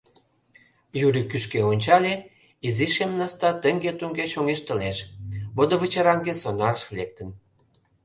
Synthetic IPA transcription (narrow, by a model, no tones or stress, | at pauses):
jyɾikyʃkeonʲt͡ɕɑlʲe | iziʃemnɑst̪ɑt̪əŋɡet̪uŋɡeʃoŋeʃt̪ə̆leʃβod̪ə̆βət͡ɕəɾɑŋɡesonɑɾəʃlek̚t̪ən